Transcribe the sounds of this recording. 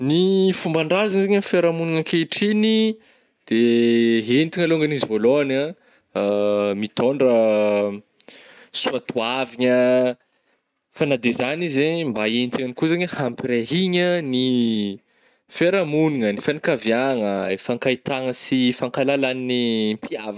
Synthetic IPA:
nifumbaɳɖ͡ʐazaŋzaɲənfeɾamuniŋəkeiʈ͡ʂini | d̪̥eɦent̪iŋaloŋɡanizivoloana | mit̪oɳɖ͡ʐə | suat̪uaviɲə | fanad̪ezanizembaent̪iŋanikuzaɲəhampiɾeɦiɲəni | feɾamuniŋənifanakaviaŋəefaŋkait̪aŋəsifaŋkalalaninimpiav

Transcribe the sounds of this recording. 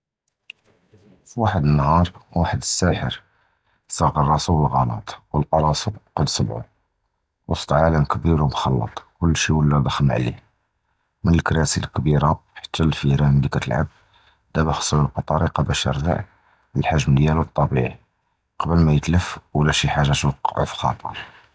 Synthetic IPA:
fiwaħəd̪ənːhɑɾˤwaħəd̪əsːæħə̰ɾ | sˤɑɣərˤːɑsuwəlɣɑlɑ̰t̪ˤwəlt̪ːɑɾˤɑsuqɑd̪sˤəbʕṵ | wəst̪ʕaləmkəbiɾumxɑlːɑ̰t̪ˤkʊlːʃiwəlːæd̪ˤəxəmʕ̰lḭ | mənəlkɾæsilkbiɾaħḁt̪ʰːælfiɾænd̪ikæt̪əlʕa̰b̚ | d̪̥æbæxsˤːuləlqɑt̪ˤɑɾiqɑbəʃɑ̰ɾˤd̪a̰ʕ | əlħaʒmd̪jælət̪ˤːɑbiʕi | qɑbəlmæjət̪ləfwlæʃiħaʒːæt̪wɑqːʕṵfxɑ̰t̪ˤə̰ɾˤ

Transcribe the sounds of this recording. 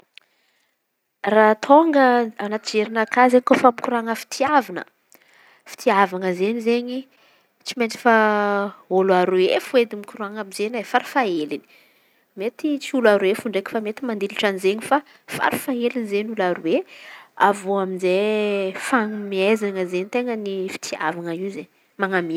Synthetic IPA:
rat̪ʰoŋɡəanat̪id͡ʒeɾinakazekofamikuɾaŋəfi̥t̪ʰiavinə̰ | fi̥t̪ʰiavanəzeɲizeɲi | t͡simet͡si̥fa | oluaɾuefued̪imikuɾuaŋamizenafaɾufaelini̥ | met̪it͡siulaɾwefuɳɖ͡ʐekfamet̪imand̪ilaʈ͡ʂanizeɲifa | fa̰ɾufaelinizeɲulaɾueavoaminzefaŋmiezaŋəzeɲit̪eŋənifi̥t̪ʰia̰vanəiwzeɲ | maŋami

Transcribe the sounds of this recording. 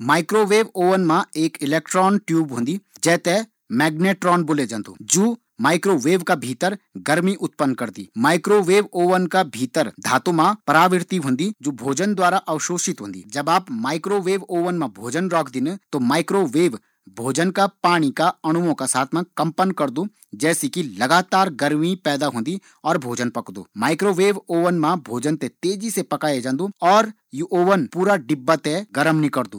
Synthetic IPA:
maːɪkɾoʋeːʋoːʋənmãeːkɪleːk̚ʈɾɔːnʈjuːbɦʊ̃nd̪id͡ʒɛːt̪e | mɛːɡneːʈɾɔːnbʊled͡ʒɐ̃nd̪o̰ːd͡ʒuː | maːɪkɾoʋeːʋkabʱiːt̪əɾɡɐɾmiʔʊt̪̚pənːkɐɾt̪ḭːmaːɪkɾoʋeːʋoːʋənkabʱiːt̪əɾd̪ʱa̰ːt̪õmãpɐɾaːʋɪɾt̪iɦʊ̃nd̪id͡ʒoːbʱoːd͡ʒənd̪waːɾaʔɐʋʃoːsɪt̪ɦṵ̃ːn̆d̪ḭːd͡ʒɐbaːpmaːɪkɾoʋeːʋoːʋənmãbʱoːd͡ʒənɾɔːkʰd̪ɪnt̪omaːɪkɾoʋeːʋ | bʱoːd͡ʒənkapaːɽ̃ikaɐɽ̃ʊmõkasaːt̪ʰmãkɐ̃mpənkɐɾd̪u | d͡ʒɛːsikilɐɡaːt̪aːɾɡɐɾmipɛːd̪aɦõːnd̪i | ɔːɾbʱoːd͡ʒənpɐkd̪o̰ːmaːɪkɾoʋeːʋoːʋənmãbʱoːd͡ʒənt̪et̪eːd͡ʒisepɐkaːjed͡ʒãːnd̪uɔːɾ | juʔoːʋənpuːɾaɖɪbːət̪eɡɐɾəmnikɐɾd̪uː

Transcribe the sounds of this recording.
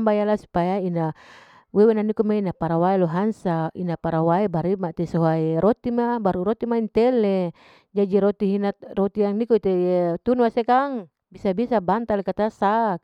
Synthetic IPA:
mbajalasu̥pajaina | wewenanikumainapaɾawaeloɦansainapaɾawaebaɾimat̪esoɦaiɾot̪imabaɾuɾot̪imaint̪ɛle | d͡ʒad͡ʒiɾot̪iɦinat̪rot̪iaŋnikoit̪et̪unwasekaŋ | bisabisabant̪alekat̪asak̚

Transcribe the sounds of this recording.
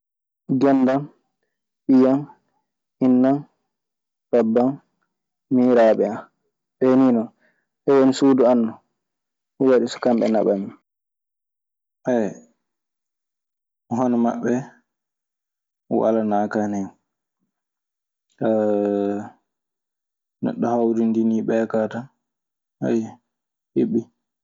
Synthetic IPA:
ɡɛndan | ɓijan | inːan | babːan | miːɾaɓɛa | ɓeninɔn | ʔɛwonisuːduanːɔ | huwaɗisɔ̥kamɓɛ̰na̰ɓamːi | ʔɛ | ɦɔnɔma̰ɓːɛ | wa̰lanakanɛn | a | nɛ̰ɗːɔhawdindiniɓɛkatan | ha̰j | heɓːi

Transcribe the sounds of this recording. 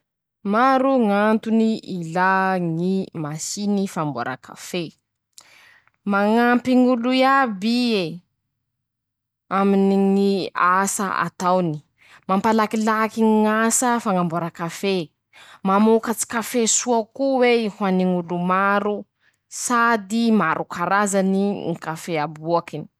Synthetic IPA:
maɾuŋant̪uniilaŋimasinifambo̰ɾa̰kʰa̰fe | maŋampiŋuluiabie | aminiŋiasa̰a̰t̪awni̥ | mampalakilakiŋiŋasəfaŋambaɾakafe | mamukat͡si̥kafesuakuweihwaniŋulumaɾu | sad̪imaɾʔukaɾazaniŋikafeabuakini̥

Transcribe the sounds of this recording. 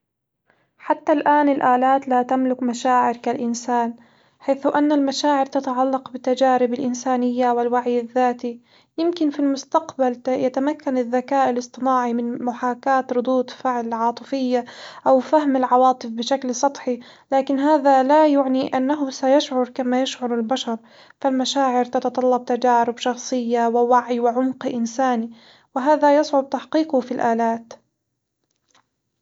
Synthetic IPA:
ħat̪ːalʔaːnɪlʔaːlaːt̪lat̪amlʊkmaʃaːʕɪɾkalʔɪnsaːn | ħaːθʊʔanːalmaʃaːʕɪɾt̪at̪aʕalːɑqbɪt̪ːad͡ʒaːɾɪbɪlʔɪnsaːnɪjːawɪlwaʕjɪðːaːt̪i | jɪmkɪnfilmʊst̪aqbaljat̪amakːanɪðːakaːʔɪlɨsˤt̪ˤɨnaːʕimɪnmʊħaːkaːt̪ɾʊd̪ˤuːt̪ˤfɪʕlɪʕɑːt̪ˤɨfɪjːaʔawfaɦmɪlʕɑwɑːt̪ˤɨfbɪʃaklsˤɑt̪ˤħi | laːkɪnɦaːðalajʊʕniʔanːaɦʊsajaʃʕʊɾˤkamajaʃʕʊɾˤɪlbaʃɑɾˤ | falmaʃaːʕɪɾt̪ɑt̪ɑt̪ˤɑlːɑb̚t̪ad͡ʒaːɾɪbʃɑxsˤɨjːawɪwaʕjwɪʕʊmqʔɪnsaːni | wɪɦaːðajɑsˤʕʊb̚t̪aħqiːqʊfilʔaːlaːt̪

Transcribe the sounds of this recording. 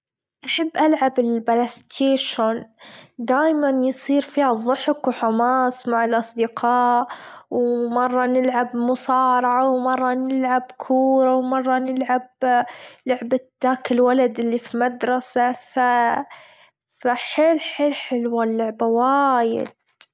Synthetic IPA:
ʔaħabːʔalʕabɪlbalast̪ʰeːʃʊnd̪aːjmanjsˤiːɾfiːhaðˤːʊħkwħʊmaːsˤmaʕɪlʔɑsˤd̪ɪqʰɑːʔwmɑrˤːɑnɪlʕabmʊsɑːɾˤɑʕawmɑrˤːɑnɪlʕabkʰuːɾawmɑrˤːɑnɪlʕab | lʊʕbad̪aːkɪlwalad̪ʔɪlːifimad̪ɾˤɑsafa | faħeːlħeːlħɪlwalːʊʕbawaːjɪ̰d̪

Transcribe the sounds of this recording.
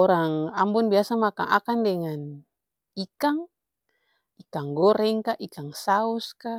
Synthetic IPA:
ɔɾaŋambunbiasamaka̰ŋʔa̰kandɛŋan | ikaŋ | ikaŋɡɔɾɛŋkaʔikaŋsauska

